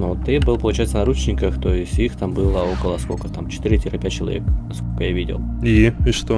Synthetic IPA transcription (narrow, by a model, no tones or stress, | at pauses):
not̪ɨbɨlˠəpəlˠʊt͡ɕæjɪt̪sənɾut͡ɕnʲɪkəxt̪ojɪsʲtʲixt̪ambɨlˠəokəlˠəskokət̪amt͡ɕɪ̥t̪ɨɾʲɪtʲiɾɨpʲæt͡ɕːɪlˠɐ̰vʲeknɐskolʲkəjavʲidʲɪ̰lˠiiʂt̪o